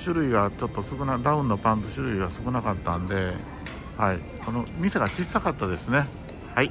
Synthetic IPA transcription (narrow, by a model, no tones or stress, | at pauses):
ɕɨɾɯ̟iɡat͡ɕo̞t̪ːo̞sɨkɯ̟nad̪aɯ̟̃nːopãnt̪oɕɨɾɯ̟iɡasɨ̥kɯ̟nakat̪ːãnd̪e̞ | hai | kono̞mʲiseɡat͡ɕisːakat̪ːad̪e̞sɨne̞ | hai